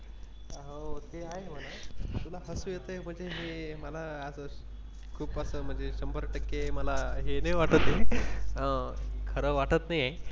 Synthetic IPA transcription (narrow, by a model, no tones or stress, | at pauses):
ookeaɦeməlat̪ulaɦəsujet̪əem̤əɳd͡zeɦeməlaːsə | kʰuːpəsəːm̤əɳd͡zeɕəmbʱəɾʈəkːeməlaɦenəʋaʈət̪ɦeəkʰəɾəʋaʈət̪naje